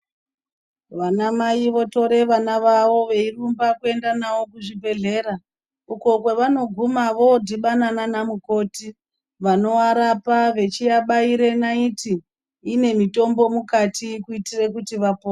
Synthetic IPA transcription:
ʋanamaiʋo̞to̞ɾe̞ʋanaʋaʋo̞ʋe̞irumbakue̞ndanawo̞kuʐibʱe̞ɮe̞ːɾa | uko̞kweʋano̞ɡʱumaʋo̞dʱiɓanananamuko̞ːti | ʋano̞aɾapaʋe̞t͡ʃijaɓaiɾe̞naitiː | ne̞mito̞mbo̞mukatikuitirekutiʋapoː

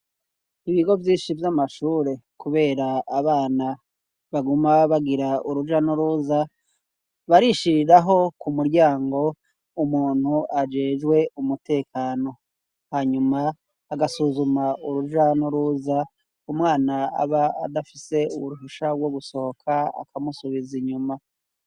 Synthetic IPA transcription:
iβiɡo̞vjiːnʃivjamaʃuːɾe̞kuβe̞ːɾaaβaːna | βaɡumaβaɡiɾauɾud͡ʒanuɾuːza | βaɾiʃiɾiɾaɦo̞kumuɾɟaːŋɡo̞ | umuːn̥huʔad͡ʒe̞ːd͡ʒɡwe̞umute̞ːkʰaːno̞ | haɲumaː | ɡasuzumauɾuʒanuɾuza | umwaːnaa̰βaa̰dafise̞ṵβuɾuʃuʃaɡwo̞ɡuso̞ho̞kʰaa̰kʰamusuβiziɲuma

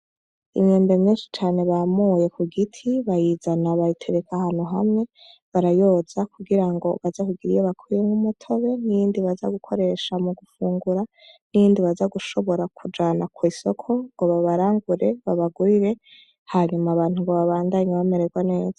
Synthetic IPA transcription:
imɲeːmbe̞mɲiːnʃi̥t͡ʃaːne̞βamuje̞kuɡitʰiβajizanaβajitʰe̞ɾekahanuɦa̰mŋe̞ | βaɾajo̞ːz̥akuɡiɾaŋɡo̞βazakuɡiɾijeβakʰwijemɡumutʰo̞βe̞nijiːndiβaza̰ɡukʰo̞ɾe̞ʃamuɡufuːŋɡuɾa | nijiːndiβazaɡuʃo̞βo̞ɾakʰud͡ʒaːnakwiːso̞kʰo̞ŋɡo̞βaβaɾaːŋɡuɾe̞βaβaɡuɾiɾe̞ | haɲumaːβaːnhuŋɡoβaβaːndaːɲeβame̞ɾeɡwane̞ːz̥ḁ

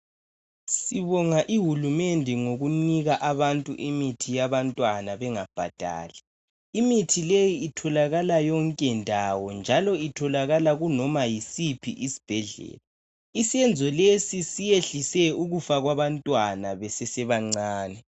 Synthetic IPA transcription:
siβɔŋaʔiɦulumendʱɛŋoɣuniɣaʔaβantʼṵʔimitʰijaβantʼwanaβɛŋab̥ʱa̰d̥ʱa̰ːlɛ | imitʰilejiːtʰɔlaɣalajɔŋkʼɛndʱawɔnd͡ʒʱalɔitʰɔlaɣalaɣunɔmajisipʰḭʔisi̥b̥ʱɛɮɛ̰ːla | isiɛnd͡zʱɔlesisijeɬisɛuɣufaɣwaβantʼwanaβɛsɛsɛβaŋ͡ǀaːnɛ

